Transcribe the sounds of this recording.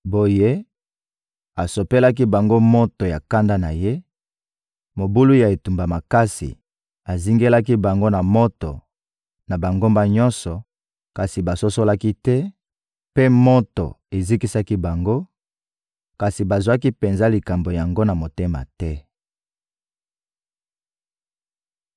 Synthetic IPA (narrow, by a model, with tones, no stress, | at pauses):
bo˨je˦ | a˨so˨pe˦la˦k̬i˦ba˨ŋɡo˦mo˦to˨ja˨ka˦nda˦na˨je˦ | mo˨bu˦lu˦ja˨e˨tu˨mba˨ma˨ka˦sḭ˨ | a˨zi˦ŋɡe˦la˦ki˦ba˨ŋɡo˦na˨mo˦to̰˨ | na˨ba˨ŋɡo˦mba˦ɲɔ̃˦nsɔ˨ | ka˨si˨ba˨so˦so˦la˦ki˦tɛ˦ | pe˦mo˦to̰˨e˨zi˦ki˦sa˦ki˦ba˨ŋɡo˦ | ka˨si˨ba˨zwa˦ki˦pe˨nza˦li˨ka˨mbo˨ja˨ŋɡo˦na˨mo˨te˦ma̰˨tɛ˦